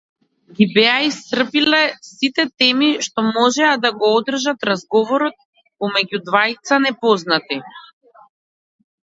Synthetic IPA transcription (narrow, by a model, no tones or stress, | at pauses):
ɡʲibɛaist̪r̩pilɛsit̪ɛt̪ɛmiʃt̪ɔmɔʒɛad̪aɡɔɔd̪r̩ʒat̪ɾazɡɔvɔɾɔt̪̚ | pɔmɛɟud̪vajt̪sanɛpɔznat̪i